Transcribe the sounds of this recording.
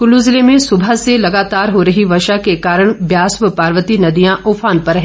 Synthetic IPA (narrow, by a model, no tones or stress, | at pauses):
kʊluːzɪlemẽsʊbʱaselɐɡaːt̪aːɾɦoɾɐɦiʋɐʃakekaːɾəɽ̃bjaːsʋəpaːɾʋət̪inɐd̪ijãʔoːfʰaːnpɐɾɦɛ̃ː